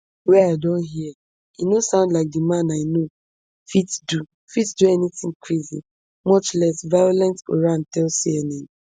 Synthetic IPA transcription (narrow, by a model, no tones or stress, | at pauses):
wɛaɪdɔ̃nɦiɛ | inosãʊ̃ndlaɪk̚dimãnaɪno | fitdu | fitduɛnitɪ̃ŋkʰɹizḭ | mɔt͡ʃlɛsvajolɛ̃ntɡo̰ɹãntɛlsiɛnẽm